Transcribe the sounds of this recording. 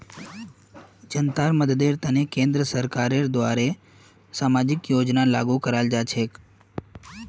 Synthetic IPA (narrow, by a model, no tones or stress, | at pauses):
d͡ʒənt̪aːɾməd̪d̪eːɾt̪ənekẽːnd̪ɾəsəɾkaːɾeɾd̪ʋaːɾe | saːmaːd͡ʒɪkjoːd͡ʒnalaːɡukəɾaːld͡ʒaːt͡ʃʰeːk